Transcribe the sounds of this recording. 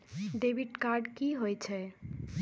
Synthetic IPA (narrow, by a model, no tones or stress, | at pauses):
ɖebiʈkaɾɖkiɦojt͡ʃʰɛ